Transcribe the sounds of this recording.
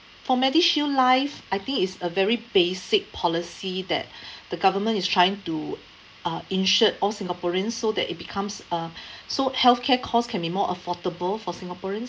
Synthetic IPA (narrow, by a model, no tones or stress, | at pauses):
fɔmɛdiʃiəlaɪfʔaɪt̪ɪ̃ŋkɪtsəvɛɹibesɪk̚pʰɔlisidɛ̰t̚d̥əɡavəmə̃ntistʰɹajɪ̃ŋtu | ʌĩnʃətɔlsĩŋɡapɔɹiə̃nsːodɛ̰tit̚bikʰãmsʌsohɛlfkʰɛkʰɔskʰɛ̃nbimɔʔəfɔtəbəlfɔsĩŋɡapɔɹə̃ns